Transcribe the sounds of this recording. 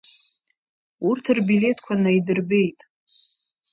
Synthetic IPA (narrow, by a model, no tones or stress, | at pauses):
urtʰɨrbile̞tʰkʷʰanaidɨrbe̞jtʼ